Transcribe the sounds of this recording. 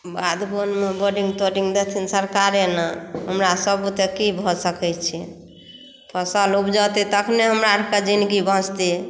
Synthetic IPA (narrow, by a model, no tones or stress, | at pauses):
bad̪bonmeboɖiŋɡt̪oɾiŋɡd̪et̪ʰinsəɾkaɾenəɦəmɾasəbut̪ekibʱɔsəkɛt͡ʃʰḭ | pʰəsəlupd͡ʒat̪it̪əkʰneɦəmɾaʈʰkad͡ʒinɡibə̃t͡ʃt̪i